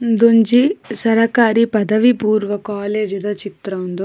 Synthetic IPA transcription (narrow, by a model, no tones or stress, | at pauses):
d̪uɲd͡ʒisɐɾɐkaːɾipɐd̪ɐʋipuːɾʋɐkaːleːd͡ʒud̪ɐt͡ʃit̪ɾɐund̪oː